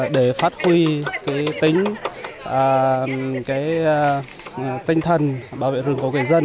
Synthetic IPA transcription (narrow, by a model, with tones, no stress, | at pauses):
ɗe˧˩faː˦˥t̚hwi˧kaː˨˦jt̪ï˨˦ŋ̟ʔəː˨˩kaː˨˦j | t̪i˧ŋ̟t̪ʰə˨˩nɓaː˧˩wvḛ˧˨zɨ˨˧˩əŋku˧˩kwe˧˩jzə˧n